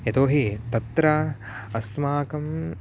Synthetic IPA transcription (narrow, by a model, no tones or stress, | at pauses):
jɐt̪oːɦit̪ɐt̪ɾɐ | ɐsmaːkɐm